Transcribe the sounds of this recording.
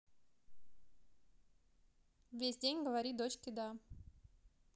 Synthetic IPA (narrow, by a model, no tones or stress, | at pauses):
vʲesʲdʲenʲɡəvɐɾʲid̪ot͡ɕkʲɪd̪a